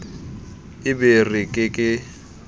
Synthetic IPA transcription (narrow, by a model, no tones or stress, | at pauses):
ɪberɪkʼɪkʼɪ